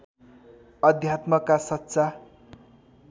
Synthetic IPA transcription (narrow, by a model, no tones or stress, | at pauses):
ʌd̪ʱjat̪mʌkasʌt̪ːsa